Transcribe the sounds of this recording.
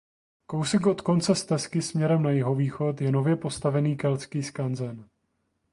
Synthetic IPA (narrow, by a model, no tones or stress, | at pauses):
ko̞wsɛkʔot̪ko̞nt͡sɛst̪ɛskɪsmɲɛɾɛmnajɪɦo̞viːxo̞t̪jɛno̞vjɛpo̞st̪avɛniːkɛlt͡skiːskanzɛn